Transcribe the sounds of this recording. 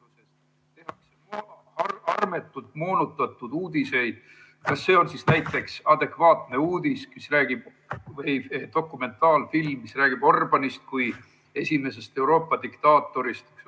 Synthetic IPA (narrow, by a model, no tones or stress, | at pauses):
uses | t̪ehiseo | ɑrme̞t̪ːˑult̪moːnut̪ːˑɑt̪ːˑud̪̥uːd̪̥ise̞jd̪̥ | kɑsːe̞ːo̞nsisnæjt̪ːˑe̞ksɑd̪̥e̞kvɑːt̪ne̞uːd̪̥iskisræːɡ̥ib̥ | vejd̪̥o̞kːˑume̞nt̪ɑːlfilmːisræːɡ̥ib̥o̞rb̥ɑnist̪̚kuj | e̞sʲime̞se̞st̪e̞wɾo̞ːpˑːɑd̪̥ikt̪ɑːt̪ːˑo̞ɾist̪